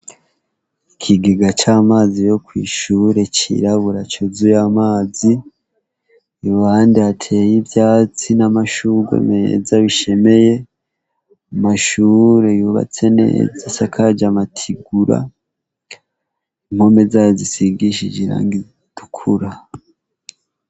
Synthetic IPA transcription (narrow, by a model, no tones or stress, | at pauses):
ikʰiɡiɡat͡ʃaːmaːzijo̞kwḭːʃuɾe̞t͡ʃḭɾaβuɾat͡ʃozujamaːzi | βandiatʰe̞ːjibjaːt͡sinamaʃuɡḛmḛzaβiʃe̞me̞je̞ | umaʃuɾe̞juβa̰t͡se̞ne̞̰ːzasakʰad͡ʒamatʰiɡuɾa̰ | ŋ̥ho̞me̞zajozisiɡiʃid͡ʒiɾa̰ŋɡi | d̥ukʰuɾa